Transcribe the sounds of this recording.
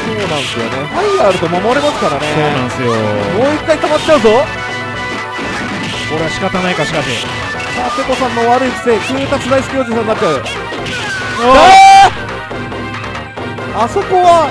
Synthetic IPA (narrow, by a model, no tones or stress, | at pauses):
so̞ːnãɰ̃sɨjo̞̰nehaiaɾɯ̟t̪o̞mamoɾʲimasɨ̥kaɾane̞oːnãɰ̃sɨjomoːikːait̪amat̪ːt͡ɕaɯ̟zo̞ | ko̞ɾe̞aɕi̥kat̪anaikaɕi̥kat̪ḛ | sat̪e̞ko̞sãnːo̞βaɾɯ̟iki̥sekɯ̟ːt̪at͡sɨd̪aisɨ̥kʲijoːd͡ʑisãnːatːt͡ɕːaɯ̟ | oa | aso̞ko̞βa